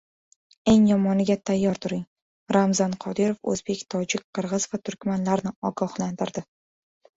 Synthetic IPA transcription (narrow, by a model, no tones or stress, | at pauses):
e̞ŋjɒmɒnɪɡʲat̪ʰajːɒɾt̪ʰʊɾɪŋ | ɾamzɒnqʰɒd̪ɪɾofɵ̰zbe̞kʲt̪ʰɒd͡ʒɪk̚ʲqʰɨɾʁɨz̥vat̪ʰʊɾkʲmanlaɾnɪɒɡɒhland̪ɪɾd̪ɪ